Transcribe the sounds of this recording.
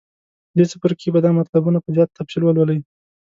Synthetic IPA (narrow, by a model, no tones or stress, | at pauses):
d̪et͡səpəɾkʰebad̪ɑmat̪labunapəzjɑt̪ːabsilwəlwələi